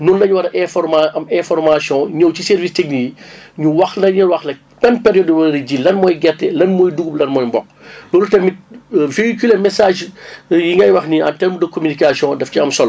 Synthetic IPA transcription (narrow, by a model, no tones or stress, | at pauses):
nunlɐɲuwɐɾʔɛfɔrmaɐmɛ̃fɔɾmasjɔ̃ɲɔwcisɛɾvisteknijiɲuwɐxlɐɲɐlwɐxlɐ | kɐnpɛɾjɔdbɐɾiɟilɐnmɔːjɡɛtːɛlɐnmɔːjduɡublɐnmɔːjmbɔk̚ːlɔːlutɛmiveikylɛmɛsaːʒjiŋɡɐjwɐxniɐ̰ntɛɾmudɐkomynikasjɔ̃dɛfciɐmsɔl